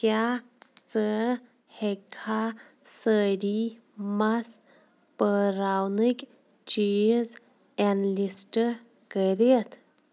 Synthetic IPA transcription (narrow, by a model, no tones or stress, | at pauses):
kjat͡sə | hekʰa | səɾi | mas | pəɾawnɨk | t͡ʃiz | ɛnlisʈə | kəɾet̪ʰ